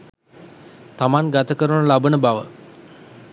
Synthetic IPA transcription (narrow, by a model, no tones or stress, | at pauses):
t̪amaŋɡat̪əkəɾunəlabənəbaʋə̰